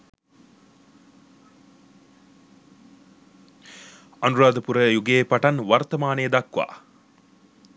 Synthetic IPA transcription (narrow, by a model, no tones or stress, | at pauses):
ɐnuɾaːd̪ɐpuɾɐjuɡeːpɐʈɐnʋɐɾt̪ɐmaːneːd̪ɐkʋa̰ː